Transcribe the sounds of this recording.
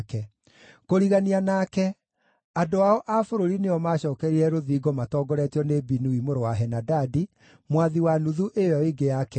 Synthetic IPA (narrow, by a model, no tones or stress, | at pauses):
kɛ | koɾiɣanianakɛ | adoaɔʔafoɾoɾineɔmaɕɔːkɛɾiɾɛɾoðiːɡɔmatɔɡɔɾɛtɔnebinuimoɾowaɦɛnadadi | mwaðiwanuðuʔeaiɡejakɛ